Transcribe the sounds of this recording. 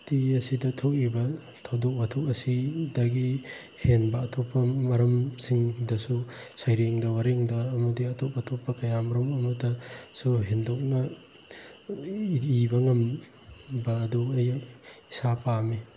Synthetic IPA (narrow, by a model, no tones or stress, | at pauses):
tiɐsidɐtʰok̚ibɐ | tʰawdok̚bɐtʰokɐsidɐɡi | henbɐːtʰopːɐmɐɾɐmsiŋdɐsusajɾeŋdɐwɐɾeŋdɐːmɐdiɐtʰop̚ɐtʰopːɐkɐjamɐɾumɐmɐtɐsuɦendok̚nɐ | bɐŋɐm | bɐːdukejisapami